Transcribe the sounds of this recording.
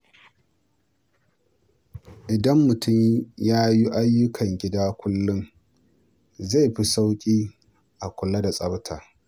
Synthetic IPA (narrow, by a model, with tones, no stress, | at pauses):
ʔɪ˨dɐ˦mːʊ˨tʊ˦˨mjaː˦ji˦ʔa˦jːʊ˦kʰɐ˨ŋɡʲɪ˦daː˦kʷʊ˦lːʊ˦ŋ | za˦˨jɸi˦sa˦wkʲʼiː˦ | ʔa˨kʷʊ˨la˦da˨sʼɐ˦btʰaː˨